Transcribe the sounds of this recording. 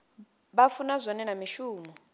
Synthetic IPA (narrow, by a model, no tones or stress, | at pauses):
ɓafunazʷɔnɛnamiʃuːmɔ